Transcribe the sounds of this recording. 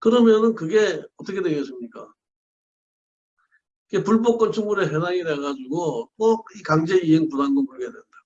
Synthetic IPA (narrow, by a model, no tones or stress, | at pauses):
kɯɾʌmjʌnɯnkɯɡe̞ʌt͈ʌkʰe̞dweŋɡes͈ʰɯmɲik͈a̰ | ikepuɭbok͈ʌnt͡ɕʰuŋmuɾeɦenaŋineɡad͡ʑuɡot͈ok̚ikaŋd͡ʑe̞iɦeŋpunanɡonpuɭɡedwennda